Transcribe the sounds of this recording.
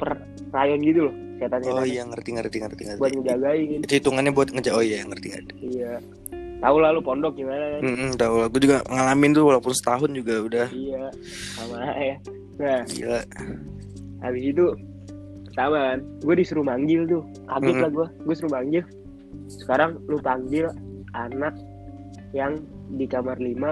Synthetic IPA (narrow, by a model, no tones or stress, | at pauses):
pər | rajɔnɡit̪ulʊh | siat̪ansaajaŋərt̪iŋərt̪iŋərt̪iŋbuat̪̚ŋəd͡ʒaɡaɪnt̪it̪uŋanɲabuat̪̚ŋət͡ʃaojajaŋərt̪ia̰daija | t̪aulalupɔndɔk̚ɡimanakam̩t̪aulaɡuad͡ʒuɡaŋalamɪnt̪ʊwalapʊnsə̥t̪aɦʊnd͡ʒuɡaudahija | samalaja | naḭa | a̰bɪsit̪u | t̪amanɡuadisuɾumaŋɡɪlt̪ʊ | ʔaɡɡɪlahɡuaɡuasuɾumaŋɡɪl | sə̥kaɾaŋlupaŋɡɪlanak̚ | jaŋdikamarlima